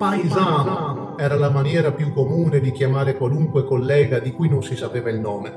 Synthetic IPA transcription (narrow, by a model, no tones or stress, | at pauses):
pazan | ɛːɾalamanjɛːɾapjukːomuːned̪ik̟jamaːɾekwaluŋkwekolːɛːɡad̪ikujnonsisapeːvailnɔːme